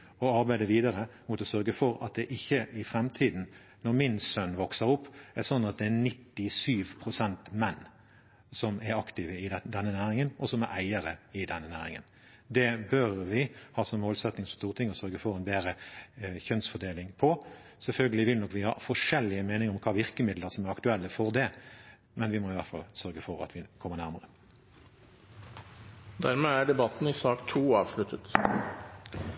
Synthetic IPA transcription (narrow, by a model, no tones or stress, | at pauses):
ɔɑɾbæɪd̪əʋiːd̪ɑɾəmʊt̪ɔsœɾɡəfɔɾɑ̰t̪̚d̪ɛʔɪçːəʔɪfɾɛmt̪ʰiːd̪n̩ | nɔʁmɪnsœnːʋɔksəɾʊpːæsɔnːɑt̪̚d̪ɛænɪt̪ːɪsyːʋpʰʁʊsɛnt̪mɛnː | sɔmɛɾɑkt̪ɪʋəɪd̪ɛnːənæːɾɪŋənʔɔsɔmæɾʔæɪəɾəɪd̪ɛnːənæːɾɪ̰ŋə̰n | d̪ɛbœɾʋɪhɑːsɔmmoːlsɛt̪nɪŋsɔst̪uːʁət̪ʰɪŋːɔsœɾɡəfɔʁɛnbeːɾəçœnsfɔd̪eːlɪŋpʰɔsɛlfœlɡəlɪʋɪlnɔkːʋɪhɑ̰ːfɔʂɛlːɪəmeːnɪŋɔmkʰɑːʋɪʁkəmɪd̪ləɾsɔmæʁɑkt̪ʉɛlːəfɔʁd̪ɛ | mɛnʋɪmoːɪʋæt̪fɑ̰lsœɾɡəfɔɾɑ̰t̪ʰʋɪkʰɔmːəʁnæʁməʁə | d̪æɾmeːæːɖɛbɑt̪n̩ɪsɑːkt̪ʰuːɑːʋʂɭʉt̪ət̪